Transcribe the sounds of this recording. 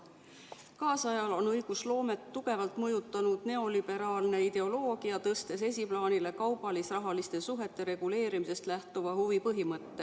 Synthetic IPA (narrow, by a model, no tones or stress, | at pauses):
kɑːsɑjɑlo̞nɤjɡ̥uslo̞ːme̞t̪ːuɡ̥e̞vɑlt̪ˑmɤjut̪ːˑɑnud̪̥ne̞o̞lib̥e̞ɾɑːlne̞id̪̥e̞o̞lo̞ːɡ̥iɑt̪ɤst̪e̞se̞s̬ʲiplɑːnile̞kɑwb̥ɑlisrɑɦɑlist̪e̞suɦe̞t̪ːe̞ɾe̞ɡ̥ule̞ːɾimise̞st̪læht̪uvɑhuvipɤɦimɤt̪ːe̞